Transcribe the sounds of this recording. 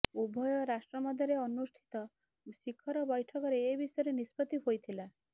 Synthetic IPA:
ubʱɔjɔɾasʈɾɔmɔd̪ʱjɔɾeɔnusʈʰi̥t̪ɔ | sikʰɔɾɔbɔjʈʰɔkɔɾeːbisɔjɔɾenispɔt̪iɦojt̪ʰila

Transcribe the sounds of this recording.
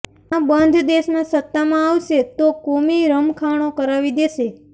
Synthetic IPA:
ãbənd̪ʱd̪eʃnãsət̪ːamãaʋʃet̪okomiɾəmkʰaɽ̃okəɾaʋid̪eʃe

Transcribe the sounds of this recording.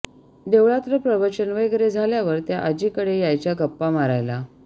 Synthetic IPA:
d̪eʋɭat̪ɾəpɾəʋət͡ɕənʋəjɡəɾed͡zʱaljaʋəɾt̪jaʔad͡ʑiːkəɽejajt͡ɕjaɡəpːamaɾajla

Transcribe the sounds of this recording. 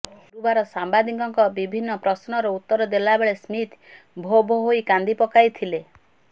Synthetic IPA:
ɾubaɾɔsambad̪ikɔŋkɔbibʱinːɔpɾɔsnɔɾɔut̪ːɔɾɔd̪elabeɭesmit̪ | bʱobʱɔɦoikand̪ipɔkajt̪ʰile

